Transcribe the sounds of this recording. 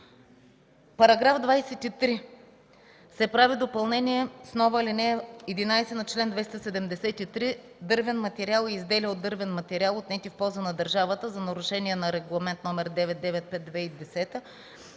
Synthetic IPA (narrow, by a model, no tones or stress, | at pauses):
pɐɾɐɡɾafd̪vajsɛt̪it̪ɾi | sɛpɾavid̪opɐlˠnɛniɛsnɔvəlinɛɛd̪inajsɛnɐt͡ʃlɛnd̪vɛst̪əsɛd̪ɛmd̪ɛsɛt̪it̪ɾi | d̪ɤɾvɛnmɐt̪ɛɾialˠɛizd̪ɛlʲəod̪ːɤɾvɛnmɐt̪ɛɾialˠot̪nɛt̪ifpɔlˠzənɐd̪ɐɾʒavət̪əzɐnɐɾʊʃɛniɛnɐɾɛɡlˠɐmɛnt̪nɔmɛɾd̪ɛvɛt̪̚d̪ɛvɛt̪̚pɛt̪̚d̪vɛid̪ɛsɛt̪ə